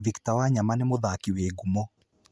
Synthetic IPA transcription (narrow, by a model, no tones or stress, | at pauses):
viktawaɲamanemoðakiweɡumɔ